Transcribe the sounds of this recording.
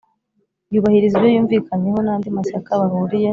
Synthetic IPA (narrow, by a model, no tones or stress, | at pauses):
juβahiɾizijojuːɱviːkaɲe̞ɦo̞naːndimasakaβaɦuɾije̞